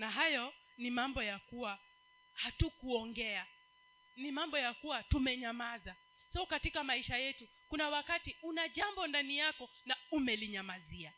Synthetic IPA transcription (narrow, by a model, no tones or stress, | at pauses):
naɦajɔ | nimambɔjakuwa | hatukuɔŋɡɛa | nimambɔjakuwatumɛɲamaza | saukatikamaiʃajɛtu | kunawakatiunaʄambɔndanijakɔnaumɛliɲamazia